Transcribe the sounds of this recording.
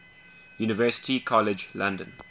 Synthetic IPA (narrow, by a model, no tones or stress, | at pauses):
juːnɪvɜːˑsɪ̥tikʰɔlɪd͡ʒlãndə̰̃n